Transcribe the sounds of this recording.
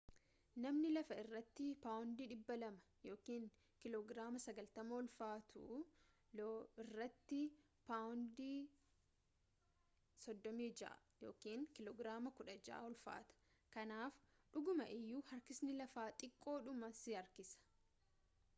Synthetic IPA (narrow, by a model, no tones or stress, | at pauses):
nɐmnɪlɐfɐɪrːɐt̪ːɪpaːʊnd̪iːᶑɪbːɐlɐmɐ̥ | jo̞ːkiːŋ | kɪloːɡɾaːmɐsɐɡɐlt̪ɐmɐɔlfaːt̪ʰʊ̰ | loɪrːɐt̪ːɪ | paːʊnd̪iː | sɔd̪ːɔmiːd͡ʒɐ̰ʔɐ̰ | jo̞̰ːkiːŋkɪloːɡɾaːmɐkʊᶑɐd͡ʒa̰ːɔlfa̰ːt̪ɐ̥ | kɐnaːfᶑʊɡʊmɐʔɪjːuːhɐɾkɪsnɪlɐfaːt̪ʼɪkʼːo̞ːᶑʊmɐsɪɐɾkɪsɐ̥